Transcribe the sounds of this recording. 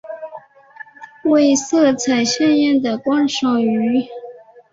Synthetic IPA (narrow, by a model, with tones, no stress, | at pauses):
we˥˧ɪsɤ˥˩t͡sʰa˨˩ɪɕɛ˥njɛ˥˩nd̪ə˨˩kwɑ˥nʂo˨˥˩ŋy˧˥